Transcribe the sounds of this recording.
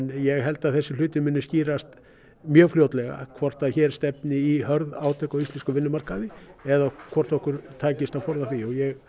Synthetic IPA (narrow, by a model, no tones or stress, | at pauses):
njɛɣɦɛlt̪aðθɛsːɪl̥ʏːt̪ɪmʏnːʏsciːɾast̪ | mjœːɣfljowt̪lɛɣa̰kʰvɔr̥t̪aðçɛːɾ̥st̪ɛpnɪiɦœɾðaːwt̪ʰœkɔwist̪ɛnskʏvɪnːʏmar̥kaðɪɛðakʰvɔr̥t̪ɔhkʏɾt̪ʰaːcɪst̪afɔɾðaθiɔɣjɛɣ